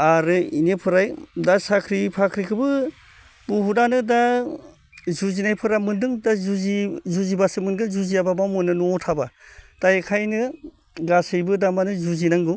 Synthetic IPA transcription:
aɾɯinepʰɯɾajdasakʰɾipʰakʰɾikʰɯbɯ | buɦudanɯda | zuzinajpʰɯɾamɯndɯŋdazizuzibasɯmɯnɡɯzuzijababamɯnɯnuɔtʰabatajkʰajnɯ | ɡasɯjbɯdamanɯzuzinaŋɡɯ

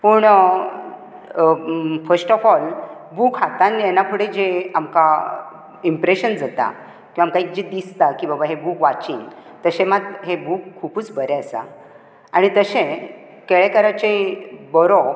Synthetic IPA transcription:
pəːɳ | fəɾsʈɔfɔlbukɦat̪aniɛnakʰuɽẽd͡ʑeamka | impɾeɕənd͡zat̪a̰ | kĩʋamkaik̚d͡ʑid̪ist̪akĩʋabaɦebukʋat͡ɕiŋɡ | t̪əɕẽmat̪ɦebuːkʰːupuːt͡sbəɾeəsa̰ | aɽ̃it̪əɕẽ | keɭɛkəɾat͡ɕebɔɾo

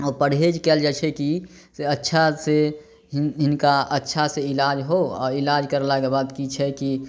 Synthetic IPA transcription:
ɔːpəɽɦed͡ʒkɛːld͡ʒat͡ʃʰeki | seətːʃʰase | ɦɪnkaətːʃʰaseɪlaːd͡ʒɦoɔ̰ːɪlaːd͡ʒkəɾlaɡebaːt̪kit͡ʃʰɛki

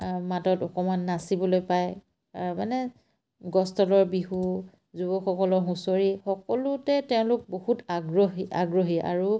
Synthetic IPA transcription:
matɔtɔkɔmanːasibɔlojpaj | manɛ | ɡɔstɔlɔɹbiɦu | zubɔkxʰɔkɔlɔɹɦũsoɹixɔkɔlʊtɛtɛʊ̃lʊk̚bohutɡɹɔɦia̰ɡɹoɦia̰ɹu

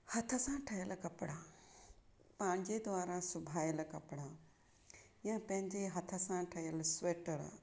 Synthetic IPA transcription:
hɐt̪ʰəsãʈʰɐjəlkɐpɽaː | pãːɪ̃ɲd͡ʑed̪ʋaːɾasʊbʱaːjəlkɐpɽa | jãpɐ̃ɦɪ̃ɲd͡ʑeɦɐt̪ʰə̆sãʈʰɐjəlsʋeːʈəɾ̰

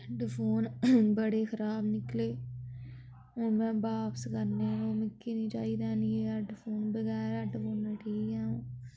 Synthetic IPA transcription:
ɖpʰoːnbəɽeːxəɾaːbnɪkleː | ɦoːnmɛ̃ːbaːpəskəɾneːkoːmɪkːiːnĩːt͡ʃa̰ːiːd̪ɛːnieːəɖfʰoːnbəɣɛːɾəɖfoːneːʈʰiːkɛ̃ːũː

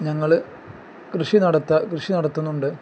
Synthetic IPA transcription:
ɲɐŋːɐɭ | krɨʂinɐɽɐt̪ːɐkrɨʂinɐɽɐt̪ːunːuɳɖɨ

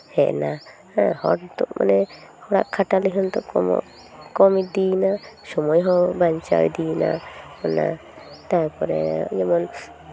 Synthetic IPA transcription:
hɛʔna | ahɔ̰ʈt̪ɔʔmʔa̰nɛ | hɔɽa̰ʔkʰaʈaliɦɔnt̪ɔkɔ̰ | kɔmid̪inasɔmɔjɦɔ̃baɲt͡ʃa̰wd̪ina̰ɔna̰ | t̪aɾpɔɾɛjɛmɔn

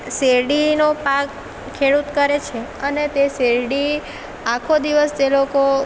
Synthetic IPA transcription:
seɾɖinopakʰː | eɽut̪kəɾet͡ʃʰeənet̪eseɾɖi | akʰod̪iʋəst̪eloko

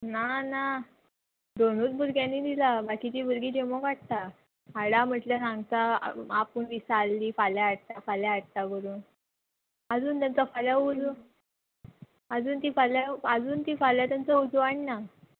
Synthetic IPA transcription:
nana | d̪onuːt͡sbuɾɡjãnːiːd̪ilabakiːt̪iːbuɾɡiːd̪emokaɽ̚t̪a | aɽam̤əʈljasãŋɡt̪a̰apəɳʋisalːiːfaljaaɽ̚t̪afaljaːɽ̚t̪aɡəɾuːn | əd͡zuːnt̪jant͡safaljaud͡z | əd͡zuːnt̪iːfaljaəd͡zuːnt̪iːfaljat̪jant͡səud͡zaɽina

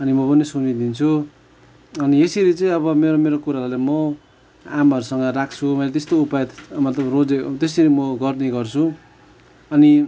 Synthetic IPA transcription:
ʌnimʌpʌnisunid̪int͡sʰu | ʌniesiɾit͡sʌĩʌβʌmeɾomeɾokuɾaɾulemʌ | amaʌɾusʌŋɡʌɾak̚ʰt͡sʰumʌjlat̪est̪oupajʌt̪mʌt̪lʌbrod͡zet̪esiɾimʌɡʌrneɡʌrt͡sʰu | ʌni

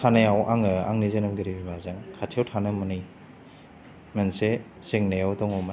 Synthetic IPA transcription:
tʰanajawʔaŋɯa̰ŋnizenɯmɡiɾibibazankʰatʰewtʰanɯmɯnɯj | mense | seŋnajawtɔŋɔm

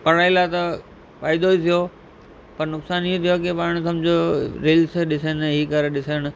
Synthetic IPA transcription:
pɐɽaːilat̪ɐ | faːɪd̪oit̪ʰijo | pɐɾnʊksaːniot̪ʰijokepaːɽ̃sɐmd͡ʑʱoɾiːlsɗɪsənɦiːkɐɾeɗɪsəɽ̃ʊ̆

